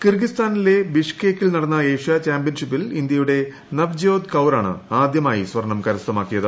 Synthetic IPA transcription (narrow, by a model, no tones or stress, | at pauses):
kirɡist̪aːnile̞biʂkeːkːilnɐɽɐnːɐe̞ːɕɐt͡ɕaːmbjɐnʂipːilind̪jɐjuɽe̞ | nɐʋd͡ʑo̞ːd̪kɐwɾaːɳɨ̰aːd̪jɐmaːjisʋɐɾɳɐmkɐɾɐsɐmaːkːijɐðɨ